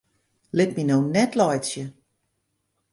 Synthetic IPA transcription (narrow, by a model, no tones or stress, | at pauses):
lɪt̚minoːnɛtlɔjsjə